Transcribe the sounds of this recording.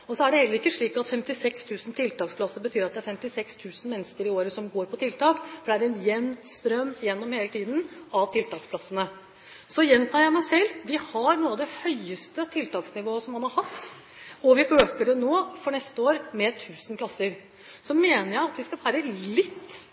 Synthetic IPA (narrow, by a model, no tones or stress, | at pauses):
ɔsɔæɖɛhɛlːəɾɪkːəʂɭiːkɑt̪fɛmt̪ɪsɛkst̪ʰʉːsn̩t̪ʰɪlt̪ɑːkspʰlɑsːəbət̪ʰyːɾɑt̪̚d̪ɛæɾfɛmt̪ɪsɛkst̪ʰʉːsn̩mɛnːəskəɾɪoːɾəsɔmɡoːɾpʰɔt̪ʰɪlt̪ɑːkfɔɖɛæɾɛnjɛnːst̪ɾœmːjɛnːɔmheːlət̪ʰiːd̪nʔɑʋt̪ʰɪlt̪ɑːksplɑsːənə | sɔjɛnt̪ʰɑːjæɪmæɪsɛlːʋɪhɑɾnuːɑd̪ɛhœʏəst̪ət̪ʰɪlt̪ɑːksnɪʋoːəsɔmhɑnhɑɾhɑt̪ː | ɔʋɪʔøːkəɖɛnoːfɔɳɛst̪əoːɾmɛt̪ʰʉːsnpʰlɑsːəɾ | sɔmːeːnəɾjæɪɑt̪ʋɪskɑfʰæːɾəlɪt̪ː